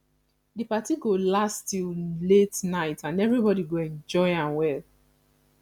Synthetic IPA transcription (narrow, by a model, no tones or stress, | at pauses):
dɨpatiɡolastiletnaɪtãnɛvɹibɔdiɡoɛ̃nd͡ʒɔɪãmwɛl